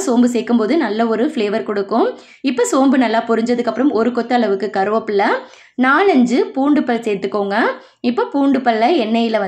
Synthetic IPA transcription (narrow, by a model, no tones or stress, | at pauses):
soːmbɯsɛːkːɯmpoːðɯnɐlːɐɔɾɯfɭeːʋɐɾkɔɽɯkːʊ̃ | ɪpːoːsoːmbɯnɐlːaːpɔɾɪɲd͡ʒɐðɯkːɐpːɾɐmɔɾɯkɔt̪ːɯɐɭɐʋɯkːɯkɐɾɯʋɐpːɯlːɐ | naːɭɐɲd͡ʒɯpuːɳɖɯpːɐlsɛːɾt̪ːɯkːoːŋɡɐ | ɪpːoːpuːɳɖɯpːɐlːɐɛnːɐjɪlɐʋɐ